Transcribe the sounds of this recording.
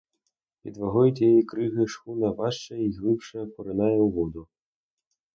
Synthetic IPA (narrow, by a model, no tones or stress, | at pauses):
pʲḭd̪ʋɐɦɔjʊt̪ʲjjikɾɪɣɪʃxunɐʋɑʃt͡ʃɐiɣlˠɪpʃɐkɔɾɪnɑjɛuʋɔd̪ʊ